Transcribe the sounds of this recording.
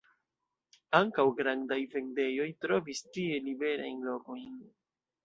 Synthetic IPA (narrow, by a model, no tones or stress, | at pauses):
aŋkawɡɾandajve̞nde̞jo̞jtɾo̞vistie̞libe̞ɾa̰jnlo̞ko̞jn